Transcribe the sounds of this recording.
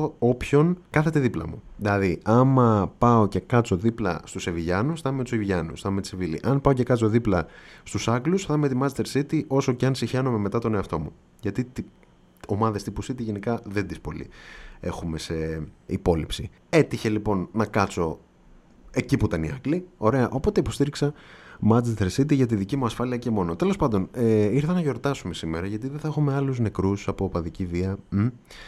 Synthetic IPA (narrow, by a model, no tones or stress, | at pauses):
opço̞nkɐθe̞t̪e̞ðiplɐ̰mṵðilɐðiɐmɐpɐo̞ce̞kɐt͡so̞ðiplɐ̰st̪useviʝɐnusθɐmmet̪u̥seviʝɐnṵsθɐmeit͡sevilḭʔɐnpɐo̞cekɐt͡so̞ðiplɐst̪usɐklusθɐmuet̪imɐset̪eɾsit̪iʔo̞so̞ceɐnsiçeno̞me̞me̞t̪ɐt̪o̞ne̞ɐft̪o̞mu | ʝɐt̪it̪i | o̞mɐðest̪ipusit̪iʝe̞nikɐðend̪ispo̞lḭe̞xume̞se̞ipo̞lipsi | e̞t̪içe̞lipo̞nːɐkɐt͡so̞ | e̞cipuit̪ɐniɐklio̞ɾe̞ɐʔo̞po̞t̪eipo̞st̪iɾiksɐmɐd͡zest̪eɾsit̪iʝɐt̪̬iðicimuɐsfɐliɐce̞mo̞no̞t̪e̞lo̞spɐnd̪o̞neiɾθɐnɐʝo̞ɾt̪ɐsume̞simeɾɐʝɐt̪̬iðeθɐexume̞ɐluzne̞kɾusɐpopɐðiciviɐm̩